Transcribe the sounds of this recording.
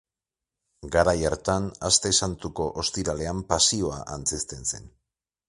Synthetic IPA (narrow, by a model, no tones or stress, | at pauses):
ɡaɾajeɾt̪anast̪e̞sant̪uko̞ʔost̪iɾale̞ampasio̞a̰ʔant͡sest̪e̞nse̞̰n